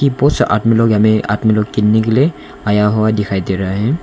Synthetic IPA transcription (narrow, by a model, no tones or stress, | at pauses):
kipɔsa̰tmilɔkamia̰tmilɔkːinːikilɛ | ajaɦɔwadixʰajtɛɾaɦɛ̃